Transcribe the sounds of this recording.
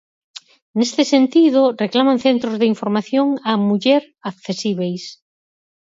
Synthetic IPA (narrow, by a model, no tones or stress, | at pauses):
nest̪ɪsent̪iðoreklamãnθent̪ɾozðɪiɱfoɾmaθjoŋamuʎeɾ | akθesiβ̞ejs